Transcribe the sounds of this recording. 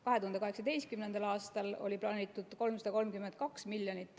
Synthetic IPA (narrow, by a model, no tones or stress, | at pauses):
kɑɦeuhɑnd̪ekɑɦe̞ksɑd̪e̞jst̪kymnend̪̥ɑlɑːst̪ɑlo̰lʲiplɑːnʲit̪ːˑud̪̥ko̞lmsɑd̪ɑko̞lmkymend̪̥̚kɑksmiljonit̪ːˑ